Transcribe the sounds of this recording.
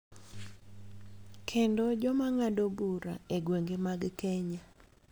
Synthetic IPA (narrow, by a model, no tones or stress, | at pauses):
kʰendɔd͡ʒɔmaŋadobuɾaeɡweŋɡemaɡkɛɲa